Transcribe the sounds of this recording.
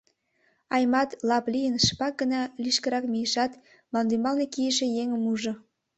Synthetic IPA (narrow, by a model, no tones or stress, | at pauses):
ɑjmɑt̪lɑplijənʃpɑk̚ɡənɑliʃkəɾɑkmijəʃɑt̪ | mɑnd̪ymɑlnekijəʃejeŋəmuʒŏ